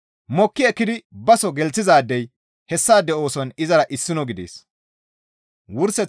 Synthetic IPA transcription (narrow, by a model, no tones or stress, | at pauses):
mɔkːɪɛkːɪd̪ɪbɐsɔɡɛlt͡sːɪzaːd̪ːɛj | hɛsːaːd̪ɛo̞ːsɔnɪzɐɾɐʔɪsːɪnɔɡɪd̪ḛːs | wʊɾsɛ